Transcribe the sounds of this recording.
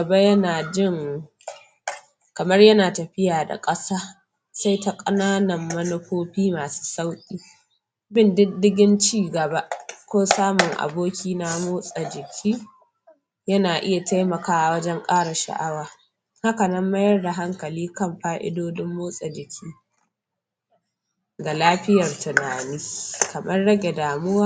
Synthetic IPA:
ɡɐ˨ba˦jɐ˦naː˨d͡ʒɪ˦˨ŋ | kɐ˨mɐ˦rjɐ˦naː˨tɐ˨ɸɪ˦jaː˨da̰˨kʼɐ˦saː˦ | sa˦jta˦kʼɐ˦naː˦nɐ˨mːɐ˦nɐ˦ɸoː˦ɸiː˦maː˨su̥ː˦sa˦wkʲʼiː˦ | bɪ˦ndɪ˦ddɪ˦ɡʲɪ˦nt͡ʃiː˦˨ɡɐ˨ba˦ʔkʷoː˦saː˦mʊ˨ŋʔa̰˨boː˦kʲiː˦na˦moː˦sʼa˨d͡ʒɪ˨kʲʰiː˦ | jɐ˦naː˨ʔɪ˦ja˨ta˦jmɐ˨kaː˦ʔa˨wɐ˦d͡ʒɛ˦ŋkʼaː˦ɽa˨ʃa̰˨ʔa˦waː˨ | ha˦kɐ˨nɐ˦mːa˦jɐ˦rda˨ɦa˦ŋkɐ˨liː˦kɐ˦˨mɸaː˦ʔɪ̰˦doː˦dɪ˦mːoː˦sʼa˨d͡ʒɪ˨kʲʰiː˦ | ɡa˨laː˦ɸɪ˦jɐ˨rtʊ˨naː˨nɪ˦kɐ˨mɐ˦rɽɐ˦ɡʲe˨daː˨mʊ˦waː˦

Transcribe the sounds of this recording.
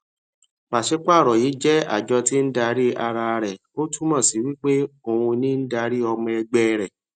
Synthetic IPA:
k͡pa˨ʃe˨˦k͡pa˦˨ɾɔ˨ji˨˦d͡ʒɛ˦a̰˨d͡ʒɔ˧ti˦n̩˦da˧ɾi˦a˧ɾa˧ɾɛ˨ | o˦tu˦mã˦˨si˨wi˦k͡pe˦o˧˨wũ˧nĩ˦n̩˦da˧˦ɾi˦ɔ˧mɛ̃˧ɛ˧ɡ͡bɛ˦˨ɾɛ˨

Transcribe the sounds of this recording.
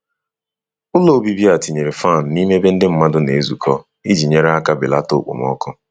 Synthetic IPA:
ʊ˦lo˨bi˦bi˦a˨ti˨ɲe˨ɾe˨fa˦˨n̩˨ni˦me˦be˦n̩˦dɪ˦m̩˦ma˦dʊ˦ne˨e˦zu˨kʰɔ˦ | i˦d͡ʒi˨ɲe˨ɾa˦ka˦bɪ˨la˦to̰˦k͡po̰˨m˦ɔ̰˦kʊ˦

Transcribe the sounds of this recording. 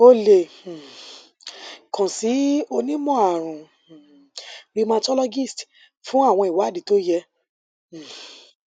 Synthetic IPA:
o˦˨le˨ | kã˨si˨˦o˧nĩ˦mɔ̃˦˨a˨ɾ̃ũ˨ | ɾi˧mã˧tɔ˦lɔ˦ɡi˦˨st | fũ˨˦a˦˨w̃ɔ̃˧i˨wa˨˦˨di˨˦to˦jɛ̃˧˨

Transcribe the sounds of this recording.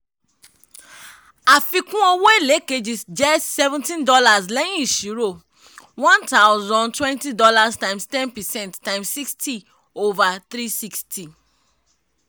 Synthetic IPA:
a˨fi˨kũ˦ɔ˦we˦le˨˦ke˨d͡ʒi˨sd͡ʒɛ˦sɛ˦vɛ̃ntĩ˦ndɔ˦la˨slɛ̃˦ĩ˨ʃi˨˦ɾo˨ | wɔ̃˦nta˦ʊzɔ̃˦ntwɛ̃˦nti˦dɔ˦la˦stã˨ɪ̃mstɛ̃˦npɛ˨sɛ̃˦˨nttã˦ɪ̃msi˦ksti˦ | o˦va˨t̪ɾi˦si˦ksti˨

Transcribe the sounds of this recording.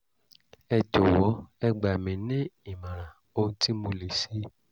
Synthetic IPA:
ɛ˧d͡ʒɔ˨wɔ˨˦ɛ˧ɡ͡ba˨mĩ˨˦nĩ˦i˦˨mã˨ɾ̃ã˨ | o˧ũ˧˦ti˦mo˧le˨si˨˦

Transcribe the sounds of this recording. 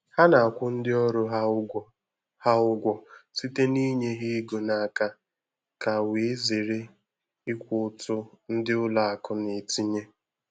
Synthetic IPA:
ha˦na˨kʷʊ˦n̩˦dɪ˦ɔ˦ɾʊ˨˦ɦa˦ | ha˦ʊ˦ɡʷɔ˨si˦te˦ni˦ɲe˦ɦi˦ɡo˨na˨a˨ka˦ | ka˨we˨˦ze˨ɾe˦ | ɪ˦kʷʊ˨ʊ˨tʊ˦n̩˦dɪ˦ʊ˦la˨a˨kʊ˦ne˨ti˦ɲe˦

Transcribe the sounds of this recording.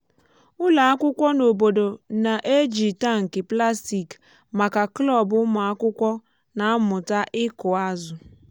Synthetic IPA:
ʊ˦la˨a˦kʷʊ˦kʷɔ˦no˨bo˨do˨na˨ʔe˦d͡ʒi˨ta˦ŋ̩˨kɪ˨pla˦sti˨k | ma˨ka˨klɔ˦˨bʊ˦ma˨a˦kʷʊ˦kʷɔ˦ | na˨˦mʊ˨ta˦ʔɪ˦kʊ˨a˦zʊ˨

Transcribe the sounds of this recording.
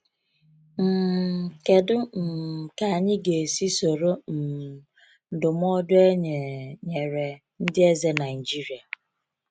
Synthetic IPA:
m̩˨ke˨dʊ˦m̩˨ka˨ɲɪ˦ɡe˨si˦so˨ɾo˦m̩˨ | n̩˨dʊ˨m˦ɔ˦dʊ˦e˦ɲ˨ɲe˨ɾe˨ | n̩˦dɪ˦e˦ze˦na˨ɪ˨d͡ʒi˦ɾi˨a˨

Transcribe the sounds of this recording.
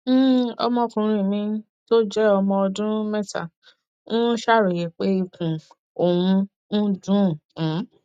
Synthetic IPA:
ɔ̰˧mɔ̃˧kũ˨ɾ̃ĩ˨˧˨mĩ˧ | to˦d͡ʒɛ˦ɔ˧mɔ̃˧ɔ˧dũ˦mɛ̃˦ta̰˨ | nũ˦ʃa˦˨ɾo˨je˨k͡pe˦i˧kũ˨ | o˨wũ˧˦ | dũ˦˨kũ˨˦

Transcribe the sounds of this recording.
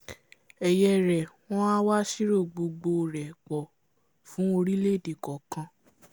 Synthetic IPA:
ɛ˨jɛ˧ɾɛ˨w̃ɔ̃˦a˦wa˦ʃi˦ɾo˦˨ɡ͡bo˧ɡ͡bo˧˨ɾɛ˨k͡pɔ˨ | fũ˨˦o˧ɾi˦le˦˨di˨kɔ˨kã˧

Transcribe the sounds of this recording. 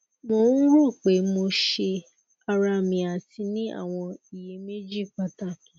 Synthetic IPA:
mo˧˦ũ˦ɾo˦˨k͡pe˨˦mo˧ʃe˧ | a˧ɾa˧˨mĩ˨a˨ti˧˦nĩ˦a̰˦˨w̃ɔ̃˧i˨je˨˦me˦d͡ʒi˦˨k͡pa˧ta˦˨kĩ˨

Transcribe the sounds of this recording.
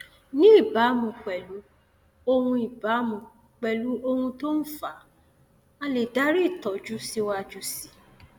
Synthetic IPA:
nĩ˦i˦˨ba˨˦mũ˨k͡pɛ˨lu˨˦ | o˦˧hũ˧i˨ba˨˦mũ˧˨ | k͡pɛ˨lu˨˦o˦˧hũ˧to˦n̩˦fa˨˦ | a˧le˨da˨˦ɾi˦i˦˨tɔ˨d͡ʒu˦si˦wa˧˨d͡ʒu˦si̥˨

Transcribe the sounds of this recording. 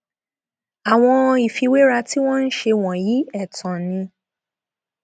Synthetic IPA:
a˨w̃ɔ̃˧i˨fi˧we˦ɾa˧ti˦w̃ɔ̃˦n̩˦ʃe˧w̃ɔ̃˨ji˨˦ɛ˦˨tã˨nĩ˧

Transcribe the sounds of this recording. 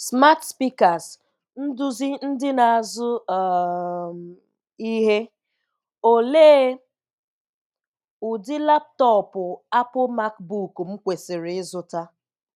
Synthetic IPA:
sma˦tspi˦ka˨s | n̩˦dʊ˦zi˦n̩˦dɪ˦na˨a˨zʊ˦˨ | i˦ɦe˦ | o˨leː˦ | ʊ˨dɪ˦la˦p̚tɔ˦pʊ˨a˦pʊ˦ma˦k̚bu˦˨km̩˦kʷe˨sɪ˨ɾɪ˨ɪ˦zʊ˦ta˦

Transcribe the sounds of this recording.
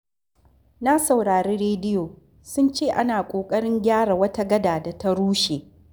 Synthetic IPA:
na˦sa˨wɽaː˨ɾeː˦ɽeː˦dɪ˦joː˨ | sʊ˦nt͡ʃeː˦˨ʔa˦naː˨kʷʼoː˨kʼɐ˦ɽɪ˦ŋɡʲaː˦ɽa˨wɐ˦ta˦ɡɐ˦daː˨da˨ta˦ɽuː˦ʃeː˨

